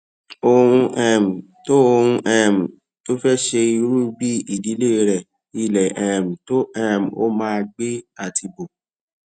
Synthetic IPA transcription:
o˧hũ˧ʔɛ̃˦˨m̩˨ | to˦o˧hũ˧ʔɛ˦˨m̩˨ | to˦fɛ˦ʃe˧i˧ɾu˦bi˦i˦˨di˨˦le˦i˧ɾɛ˨ | i˦˨lɛ˨ɛ̃˨m̩˨to˦ɛ̃˦˨m̩˨o̰˦mãː˦˧ɡ͡be˦a˦˨tʰi˧bo˨

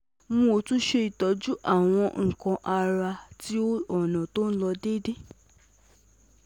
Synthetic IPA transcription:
mũ˦˧o˧˦tũ˦ʃe˧i˨tɔ˨d͡ʒu˦ʔa˦˨w̃ɔ̃˧ŋ̩˨kã˧ʔa˧ɾa˧ti˨˦o˦ɔ˦˨nã˨to˦n̩˦lɔ˧de˦de˦˨

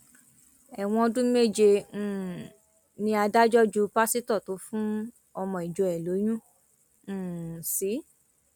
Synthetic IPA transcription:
ɛ˨w̃ɔ̃˧dũ˦me˦˨d͡ʒẽ˧˨ | nĩ˧a˧da˦d͡ʒɔ˦d͡ʒu˧pa˦si˦tɔ˦˨to˨˦fũ˦ | ɔ˧mɔ̃˧i˨d͡ʒo˨ɛ˨lo˨˦j̃ũ˦˨ | si˨˦

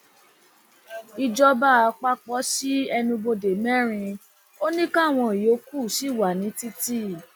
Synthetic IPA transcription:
i˧d͡ʒɔ˧ba˦a˧k͡pa˦k͡pɔ˨˦ʃi˦ɛ˧nũ˧bo˧de˨mɛ̃˦ɾ̃ĩ˧ | o˦nĩ˦ka˦˨w̃ɔ̃˧i˨jo˨˦ku˦˨ʃi˦˨wa˨nĩ˨˦ti˦ti˦

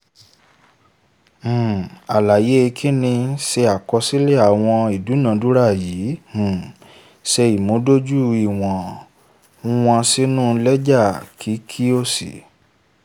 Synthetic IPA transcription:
a˨la˨je˨˦˧kʰi˦nĩ˧se˧a˨kɔ˧si˦le˦a˨w̃ɔ̃˧i˨du˨˦nã˨˧˦du˦ɾa˦˨jiː˨˦h̩˨ | sɛ˧i˨mõ˨˦do˦d͡ʒu˦˨i˨w̃ɔ̃˨ | ũ˦w̃ã˧si˦nũ˦˨˧lɛ˦d͡ʒa˦˨kʰi˨˦kʰi˦o˦sḭ˨

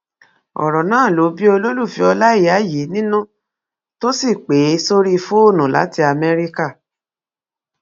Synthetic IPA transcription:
ɔ̰˨ɾɔ˨nãː˦˨lo˨˦bi˦o˧lo˦lu˦˨fi˧˦ɔ˧la˦i˦˨a˨˦˨ji˨˦nĩ˦nũ˦ | to˦si˦˨k͡pe˨˦so˦ɾi˦˧fo˦o˦˨nũ˨la̰˨˦ti˧˦a˧mɛ˦ɾi˦ka˦˨

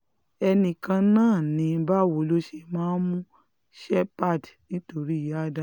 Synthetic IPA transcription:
ɛ˧nĩ˧kã˧nãː˦˨nĩ˨˧˦ba˦wo˨˦lo˦ʃe˧mãː˦mũ˦ | ʃɛ˦pa˦˨dnĩ˦to˧ɾi˦˨ja˦da˦

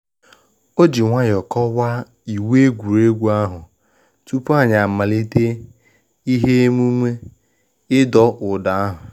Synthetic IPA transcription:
o˦d͡ʒi˨ŋʷa˦ɲ˨ɔ˨kɔ˦wa˦ | i˨we˦ɡʷu˨ɾe˦ɡʷu˦a˦ɦʊ˨ | t͡ʃu˦pu˦a˦ɲa˨ma˨li˦te˦ | i˦ɦe˦mu˦me˦ | ɪ˦dɔ˦ʔʊ˨da˨a˦ɦʊ˨

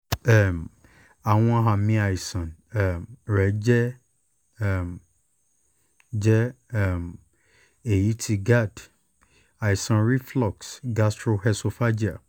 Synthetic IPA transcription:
ɛ˨m | a˨w̃ɔ̃˧ɦa˨mĩ˧˦a˨i˨sã˨nɛ˨mɾɛ˨˦d͡ʒɛ˦˨ | m | d͡ʒɛ˦ | ɛ˦˨m | e˨ji˨˦tʰi˧ɡa˦˨d | a˨i˨sã˨nɾi˦flɔ˦˨ksɡa˧stɾo˧hɛ˧so˧fa˦d͡ʒi˦a˨

